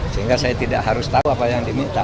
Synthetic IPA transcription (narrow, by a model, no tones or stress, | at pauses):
səiŋkasajat̪ida̰ʔɦaɾʊst̪auapajaŋdimint̪a